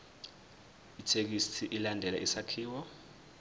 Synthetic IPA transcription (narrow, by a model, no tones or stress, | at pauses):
itʰek̬istʰiʔilandʱɛla̰ʔisakʰiːwɔ